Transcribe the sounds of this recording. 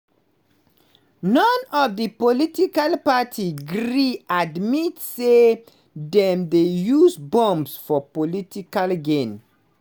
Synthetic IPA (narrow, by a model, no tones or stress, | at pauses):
nɔ̃nɔvdəpolitikalpatʰiɡɹɾiadmitse | dɛ̃mdejuzbɔ̃mbsfɔpolitikalɡẽn